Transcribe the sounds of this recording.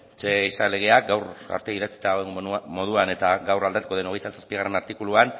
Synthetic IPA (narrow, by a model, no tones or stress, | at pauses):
t͡ʃeisale̞ɣ̞e̞ak̚ɡawra̰ɾt̪eiðat͡si̥t̪aoeŋɡmo̞ð̞uane̞t̪aɡawrald̪at̪u̥ko̞ðe̞noe̞jt̪asḁspiɣare̞naɾt̪ikuluan